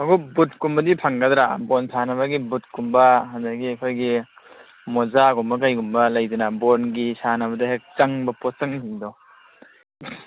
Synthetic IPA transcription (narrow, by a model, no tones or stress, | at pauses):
ɐɡubut̚kumbɐdipʰɐŋɡɐdɾabonsʰanɐβɐɡibut̚kumbɐɦɐndɐɡiɐkʰojɡi | mɔzaɡumbɐkajɡumbɐlɐjdɐnabonɡisanɐbɐdɐɦek̚t͡ʃɐŋbɐpɔt͡ʃɐŋsindɔ